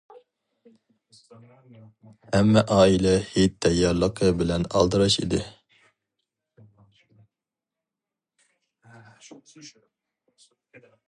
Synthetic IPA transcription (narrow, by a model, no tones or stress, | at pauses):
hɛmːɛʔɑːilɛhit̪ʰːɛjːɑɾlˠəqʰəbɪlɛnɑ̰lˠd̪ɨɾɑʃḭd̪ɪ